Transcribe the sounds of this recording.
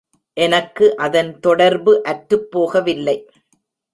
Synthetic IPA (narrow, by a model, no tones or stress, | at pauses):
ʔɛnɐkːɯʔɐðɐnt̪ɔɽɐɾbɯʔɐʈɾɯpːoːɣɐʋɪlːɐɪ